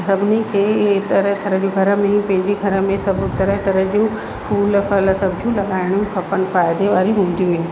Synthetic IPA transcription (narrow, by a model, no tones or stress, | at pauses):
sɐbʱɪnikʰeːt̪əɾəɦt̪ɐɾə̃d͡ʑũɡʱɐɾəmẽpɐ̃ɦɪ̃ɲd͡ʑiɡʱɐɾəmẽsɐbt̪ɐɾəɦt̪ɐɾəd͡ʑũ | fuːlfɐlsɐbʱd͡ʑʱũlɐɡaːɪɽ̃jũkʰɐpənfaːɪd̪eʋaːɾiɦũːn̆d̪ijũʋeni